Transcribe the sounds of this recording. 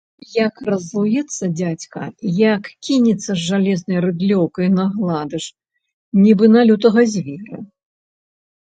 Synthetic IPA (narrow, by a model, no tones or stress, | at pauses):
jakrɐzlˠujɛt̪sːɐd͡zʲat͡sʲkɐ̰jakkʲinʲit̪sːɐzːalʲɛznɐjɾɨd̪lʲɔwkɐjnɐɣlˠad̪ɨʂ | nʲibɨnalʲut̪̬ɐɣɐzʲvʲɛɾɨ